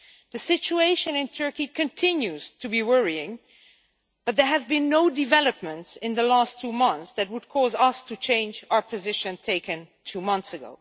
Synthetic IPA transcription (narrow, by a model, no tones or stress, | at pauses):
ðɨsɪt͡ʃueɪʃɨ̃nɪ̃ntʰɜ˞kikɨ̃ntʰɪ̃njʉz̥tʰɨbiwɜɹiɪ̃ŋ | b̥ʌt̪̚ðə˞ɨvbɨ̃nːoʊdɨvɛlˠəp̚mɨ̃ntsɪ̃nðəlæstʰːumʌ̃nθsðɨt̚wəd̚kʰɔzʌstʰɨt͡ʃʰẽɪ̃nd͡ʒaʊə˞pʰɨzɪʃɨ̃ntʰeɪkɨ̃n | tʰumʌ̃nθsɨɡo̰ʊ